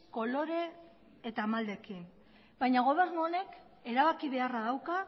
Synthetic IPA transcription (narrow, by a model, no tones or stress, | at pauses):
ko̞lo̞ɾe̞ː | t̪amald̪e̞kin | bajɲaɣ̞o̞β̞e̞ɾmone̞k | e̞ɾaβakiβ̞e̞araðawka